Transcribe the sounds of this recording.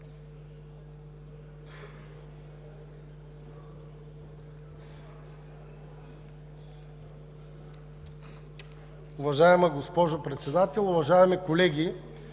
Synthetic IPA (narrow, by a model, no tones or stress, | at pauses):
ʊvɐʒaɛməɡospɔʒopɾɛt̪sɛd̪at̪ɛlˠʊvɐʒaɛmikolɛɡʲi